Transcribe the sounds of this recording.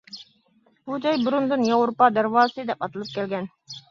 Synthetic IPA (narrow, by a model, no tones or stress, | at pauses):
b̥ud͡ʒʰɑjbuɾund̪ɨnjɑwɾupɑd̪æɾwɑːsɨd̪ɛpɑt̪ɨlˠɨp̚kʲʰɛlɡʲɛn